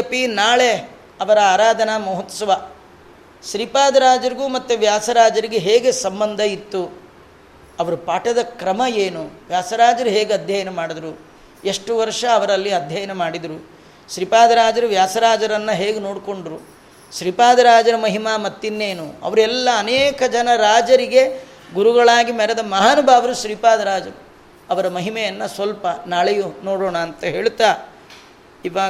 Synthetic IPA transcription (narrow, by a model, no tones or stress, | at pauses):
ɐpinaːɭe | ɐʋɐɾɐaːɾaːd̪ʱɐnɐmuɦɐt̪ːsɐʋɐ | ʃɾipaːd̪ɐɾaːd͡ʒɐɾiɡuːmɐt̪ːuʋjaːsɐɾaːd͡ʒɐɾiɡeɦeːɡesɐmbɐnd̪ʱɐit̪ːu | ɐʋɐɾupaːʈɐd̪ɐkɾɐmɐeːnuʋjaːsɐɾaːd͡ʒɐɾuɦeːɡeɐd̪ʱjɐjɐnemaːɽid̪ɐɾu | e̞ʂʈuʋɐɾʂɐːʋɐɾɐlːiɐd̪ʱjɐjɐnemaːɽid̪ɐɾu | ʃɾipaːd̪ɐɾaːd͡ʒɐɾuʋjaːsɐɾaːd͡ʒɐɾɐnːɐɦeːɡeno̞ːɽko̞ɳɖɾu | ʃɾipaːd̪ɐɾaːd͡ʒɐɾɐmɐɦimaːmɐt̪ːinːeːnuɐ̰ʋɐɾuɛlːɐːneːkɐd͡ʒɐnɐɾaːd͡ʒɐɾiɡe̞ | ɡuɾuɡɐɭaːɡimɛɾɐd̪ɐmɐɦaːnubʱaːʋɐɾuʃɾiːpaːd̪ɐɾaːd͡ʒɐɾu | ɐʋɐɾɐmɐɦimɛjɐnːɐsʋɐlpɐnaːɭejunoːɽoːɳɐːnt̪ɐɦe̞ːɭut̪ːaː | iʋaː